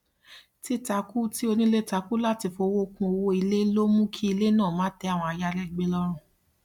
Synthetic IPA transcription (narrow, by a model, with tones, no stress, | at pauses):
ti˦ta˧ku˦ti˦o˧nĩ˦le˦ta˨˧ku˦la˦ti˧fo˧wo˦˧kũ˧o˧wo˧i˧le˦lo˦mũ˦kʰi˦i˧le˦nãː˦˨mãː˨˦tɛ˧˦a˦˨w̃ɔ̃˧a˧ja˧lɛ˦˨ɡ͡be˦lɔ˦ɾ̃ũ˦˨